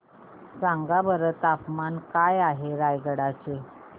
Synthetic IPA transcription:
d͡zaŋɡabəɾət̪apmankajaɦeɾajɡəɽat͡ɕe

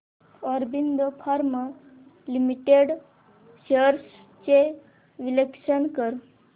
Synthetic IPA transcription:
ɔɾbind̪əpʰaɾmə | limiʈeɽ | ɕəɾs | t͡ɕe | ʋilekʃənkəɾ

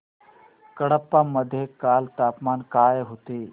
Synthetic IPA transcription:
kəɽəpːaməd̪ʱjekaːlt̪aːpmaːnkaːeɦot̪eː

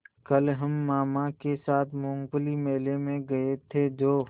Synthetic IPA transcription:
kɐlɦɐmːaːmakesaːt̪ʰmʊ̃ːŋɡblimeːlemẽɡɐet̪ʰed͡ʒoː

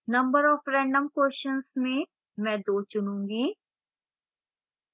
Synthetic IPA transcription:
nɐ̃mbəɾɔːfɾɛ̃ːɳɖəmkoːʃənsmẽ | mɛ̃ːd̪oːt͡ʃʊnũːŋɡiː

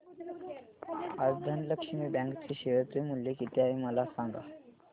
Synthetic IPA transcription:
ad͡zd̪ʱənləkʂmiːbɛ̃ŋkt͡sʰiɕeʋəɾt̪imuljekit̪eaɦiməlasaŋɡa̰

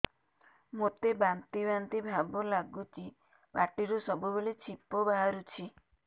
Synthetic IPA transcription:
mot̪ebant̪ibant̪ibʱabɔlaɡut͡ʃi | baʈiɾusɔbubeɭet͡ʃʰipɔbaɦaɾut͡ʃʰi

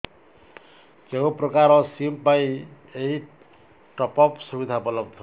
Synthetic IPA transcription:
keɦõprʌkaɾʌsimpaj | ei | ʈʌpʌpsubid̪ʱabʌlʌbt̪ʰo

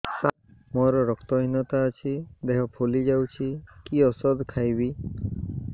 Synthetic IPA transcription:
t̪a | mɔɾɔɾɔkt̪ɔɦinɔt̪aːt͡ʃʰid̪eɦɔpʰolid͡ʒawt͡ʃʰikiɔsɔd̪kʰajbi

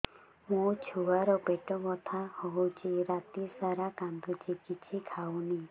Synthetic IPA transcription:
mũt͡ʃʰuaɾɔpeʈɔmɔt̪ʰahoɦut͡ʃʰiɾat̪isaɾakand̪ut͡ʃikit͡ʃʰikʰawni

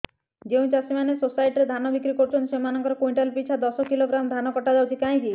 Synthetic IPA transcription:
d͡ʒew̃t͡ʃasimanesosajʈɾed̪ʱanɔbikɾikoɾut͡ʃʰɔnt̪semanɔŋkɔɾɔkoj̃ɳʈalpit͡ʃʰad̪ɔsɔkiloɡɾamd̪ʱanɔkɔʈadawt͡ʃʰikaɦĩki

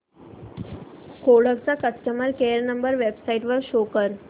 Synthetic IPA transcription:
koɽəkt͡sakəsʈəməɾkeəɾnəmbəɾʋebsaiʈʋəɾɕokəɾ

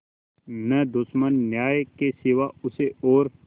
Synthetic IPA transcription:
nɛd̪ʊsmənːjaːjkeseːʋaʊseɔːɾ

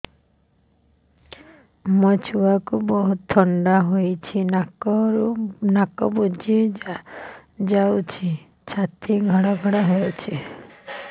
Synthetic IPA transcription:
mɔt͡ʃʰuwakubɔɦut̪ʰːɔɳɖaɦojt͡ʃʰinaɔɾunakɔ̰bud͡ʒi | d͡ʒawt͡ʃʰi | t͡ʃʰat̪iɡʱɔɽɔɡʱɔɽaɦojt͡ʃʰi

